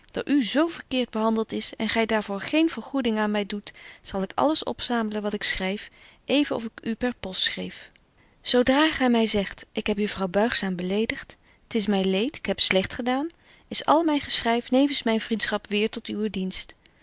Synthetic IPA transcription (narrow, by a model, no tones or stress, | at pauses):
d̥ɑ̰ʔyzowvəɹkɪːɹd̚bəɦɑndəlˠtɪsɛ̰nχɛjdaːɹvʊːɹχejnv̥əɹχudɪŋaːnmɛjdutsɑlˠɪkɑ̰ləsɔ̰psaːmələnʋɑtɪksrɛjf | ʔejvənɔ̰fɪkypɛɹpɔstsχrḛjf | z̥owdraːχɛjmɛjzɛχtʔɪkɦɛpjəfrɑwbœɥχsaːmbəlejdəχt | tɪsmɛjnlejtɪ̥kɦɛpslɛχtχədaːn | ɪsɑ̰lˠmɛjχəsrɛjfnejvənsmɛjnvrintsχɑpʋɪːɹtɔtywədinst